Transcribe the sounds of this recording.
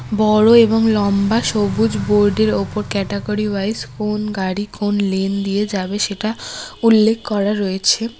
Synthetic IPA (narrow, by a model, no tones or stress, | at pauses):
bɔɽoeboŋlɔmbaʃobud͡ʑboɾɖeɾopoɾkɛʈeɡoɾibajskonɡaɽikonlend̪ijed͡ʑabeʃeʈaulːekʰːkɔɾaɾojet͡ɕʰe